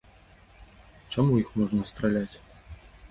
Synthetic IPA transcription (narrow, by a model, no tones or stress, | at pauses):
t͡ʂamujixmɔʐnɐst̪ɾalʲat͡sʲ